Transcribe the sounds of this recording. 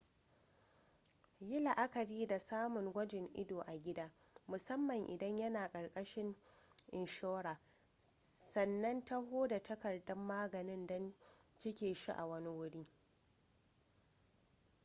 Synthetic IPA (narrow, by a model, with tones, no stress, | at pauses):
jɪ˦la˨ʔa˦kɐ˨ɾiː˦da˨saː˦mʊ˨ŋɡʷɐ˦d͡ʒɪ˨ŋʔɪ̰˦doː˨ʔa˨ɡʲɪ˦daː˦ | mʊ˨sɐ˦mːɐ˨ŋʔɪ̰˨dɐ˦ɲjɐ˦naː˨kʼɐ˨ɽkʼɐ˦ʃɪ˦ŋ | ʔɪ˨nʃoː˦wɽaː˨ | sɐ˨nːɐ˦nta˦ɦoː˦da˨tɐ˦kɐ˨rdɐ˦mːaː˦ɡɐ˨nɪ˦ndɐ˦nt͡ʃɪ˦kʲeː˨ʃi˦ʔa˨wɐ˦ni˦wʊ˦ɽiː˦